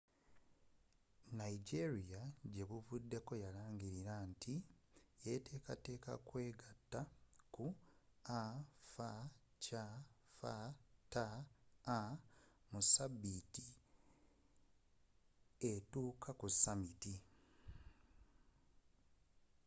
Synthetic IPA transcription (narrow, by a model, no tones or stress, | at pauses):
naiɟeɾijaɟe̞βuvudːe̞ko̞jalaːɲɟiɾiɾaːntʰije̞te̞ːkate̞ːka̰kwe̞ːɡatːakuafacafa̰taː | musabiti | etuːkʰakusamiti